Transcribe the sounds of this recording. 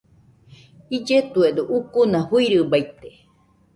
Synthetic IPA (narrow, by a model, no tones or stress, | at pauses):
id͡ʒet̪ued̪uʔukunãhuiɾɨbajt̪e̥